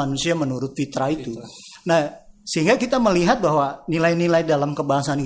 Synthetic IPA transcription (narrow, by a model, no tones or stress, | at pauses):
anusiamənuɾʊt̪̚fit̪ɾait̪unahsəɦiŋɡakit̪aməliɦat̪̚baɦwanilainilajdalamkəbaɦasan